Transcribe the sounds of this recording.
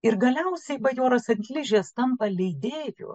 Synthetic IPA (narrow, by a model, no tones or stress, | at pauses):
ɪɾɡɐlʲɛʊsʲɛɪʋɐjoːɾɐsɐt̪ʲlʲɪʒʲeːst̪ɐmpɐlʲɛɪd̪ʲeːjʊ̰ː